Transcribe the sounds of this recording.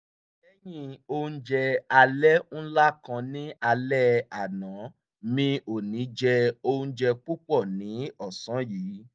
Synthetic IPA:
ɛ˦j̃ĩ˦˨o˧ũ˦d͡ʒɛ˧a˧lɛ˦n̩˦la˦kã˧nĩ˦a˧lɛ˦a˨nã˨˦ | mĩ˧o˨nĩ˨˦d͡ʒɛ˧o˧ũ˦d͡ʒɛ˧k͡pu˦k͡pɔ˦˨nĩ˨˦ɔ˦˨sã˨˦jiː˨˦

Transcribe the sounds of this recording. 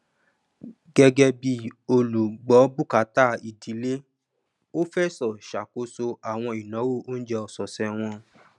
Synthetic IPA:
ɡɛ˦ɡɛ˦bi˧o˧lu˨ɡ͡bɔ˨˦bu˦˨ka˨˦ta˦˨i˨di˨˦le˦ | o˦fɛ˦sɔ˨ʃa˨ko˨˦so˧a˨w̃ɔ̃˧i˨nɔ̃˨˦wo˦˨o˦n̩˦d͡ʒɛ˧ɔ˨sɔ˨sɛ˧w̃ɔ̃˧

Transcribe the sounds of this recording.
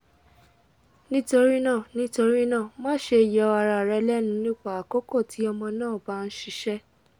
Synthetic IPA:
nĩ˦to˧ɾi˦nãː˦˨nĩ˦to˧ɾi˦nãː˦˨mã˦ʃe˧˨jɛ˨ɔ˧a˧ɾa˧˨ɾɛ˨˧lɛ˦nũ˦nĩ˦k͡pa˦˨a˨kɔ˦kɔ˦˨ti˨˦ɔ˧mɔ̃˧nãː˦˨ba˦˧n̩˦ʃi˧ʃɛ˦

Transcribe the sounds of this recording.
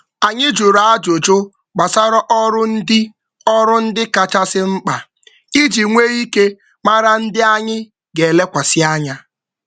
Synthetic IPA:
a˨ɲɪ˦d͡ʒu˨ɾa˨a˦d͡ʒo˨d͡ʒo˦ | ɡ͡ba˨sa˦ɾɔ˦ʔɔ˦ɾʊ˦n̩˦dɪ˦ | ɔ˦ɾʊ˦n̩˦dɪ˦ka˨t͡ʃa˦sɪ˦ŋ͡m̩˦k͡pa˨ | i˦d͡ʒi˨ŋʷe˦i˦ke˦ | ma˦ɾa˦n̩˦dɪ˦a˦ɲɪ˦ | ɡe˨le˦kʷa˨sɪ˦a˦ɲa˦

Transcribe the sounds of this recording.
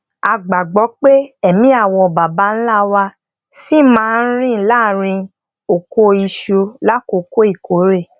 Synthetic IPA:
a˧ɡ͡ba˨ɡ͡bɔ˨˦k͡pe˦ɛ˦˨mĩ˨˦a˦˨wɔ˧˨ba˨ba˨˦n̩˦la˦wa˧ | si˦mãː˦˧˦ɾ̃ĩ˦˨˦la˦˨ɾ̃ĩ˧ | o˨ko˧i˧ʃu˧la˦ko˧ko˦i˦˨ko˨˦ɾe˦˨

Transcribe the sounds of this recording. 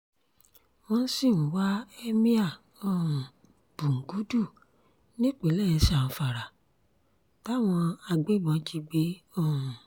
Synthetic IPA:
w̃ɔ̃˧n̩˦si˦˨nũ˨wa˦e˦mĩ˦a˦˨ | õ˦˨ | b̥u˨ŋ̩˨ɡu˨˦du˦˨ | nĩ˦k͡pe˨˦lɛ˦˨ɛ˧ʃã˦˨fa˨ɾa˨ | ta˦˨w̃ɔ̃˧a˧ɡ͡be˨˦bɔ̃˨˧˦d͡ʒi˧ɡ͡be˨˦õ˦˨

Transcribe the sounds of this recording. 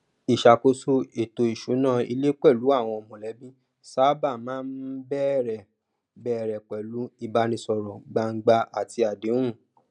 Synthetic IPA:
i˨ʃa˨ko˧so˦e˨to˧i˨ʃu˨˦nã˦˨ḭ˧le˦k͡pɛ˦˨lu˨˦a˦˨w̃ɔ̃˧ɔ˧mɔ̃˨lɛ˨˦bĩ˦ | sa˦ba˦˨mãː˨˦n̩˦bɛ˦˨ɾɛ˨ | bɛ˦˨ɾɛ˨k͡pɛ˨lu˨˦i˦˨ba˧˦nĩ˧sɔ˧ɾɔ˨ɡ͡ba˧ŋ̩˦ɡ͡ba˧a˨ti˧a˨dẽ˨˦ũ˦˨

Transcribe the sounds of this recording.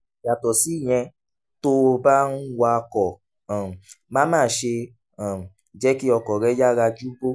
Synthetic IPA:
ja˨tɔ˨si˨˦˨j̃ɛ̃˧ | to˦o˧ba˦n̩˦wa˦˧kɔ˨ | mãː˦mãː˦˨ʃe˧ | a˨ | d͡ʒɛ˦ki˦ɔ˧kɔ˨ɾɛ˨˦ja˦ɾa˧d͡ʒu˦bo˦

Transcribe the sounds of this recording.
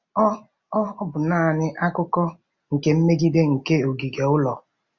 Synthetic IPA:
ɔ˦ | ɔ˦ɔ˦bʊ˨naː˦˨nɪ˦ʔa˦kʊ˦kɔ˦ | ŋ̩˨ke˦m̩˦me˦ɡi˦de˦ŋ̩˨ke˦o˨ɡi˨ɡe˨ʊ˦lɔ˨

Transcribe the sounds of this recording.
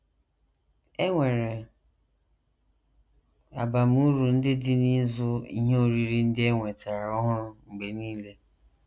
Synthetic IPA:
e˦ŋʷe˨ɾe˨ | a˨ba˨m˦u˦ɾu˨n̩˦dɪ˦dɪ˦ni˦zʊ˦ḭ˦ɦe˦o˨ɾi˨ɾi˦n̩˦dɪ˦e˦ŋʷe˨ta˨ɾa˨ɔ˦ɦʊ˦ŋ͡m̩˨ɡ͡be˨niː˦le˦

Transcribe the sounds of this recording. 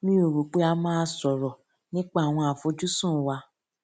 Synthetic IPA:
mĩ˦o˨ɾu˨k͡pe˨˦a˧˦mãː˦sɔ˨ɾɔ˨ | nĩ˦k͡pa˦a˨w̃ɔ̃˧a˨fo˨˦d͡ʒu˦sũ˦˨wa˧˦

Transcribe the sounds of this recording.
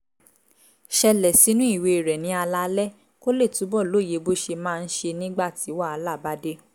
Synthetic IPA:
ʃɛ˧lɛ˨si˨˦nũ˦i˦˨we˧i˨ɾɛ˨nĩ˨˦a˧la˧lɛ˦ | ko˦le˦˨tu˨˦bɔ˦˨lo˦˨je˨˦bo˦ʃe˧mãː˦˧n̩˦ʃe˧nĩ˦ɡ͡ba˦˨ti˨˦wa˦˨a˧la˦˨ba˦de˦

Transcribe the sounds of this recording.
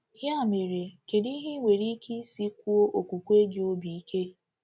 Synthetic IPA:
hja˦˨me˨ɾe˨ke˨di˦ɦɪ˦ŋʷe˨ɾi˦ki˦si˦kʷu˦o˦ʔo˨kʷu˨kʷe˦ɡɪ˨˦o˦bi˨i˦ke˦

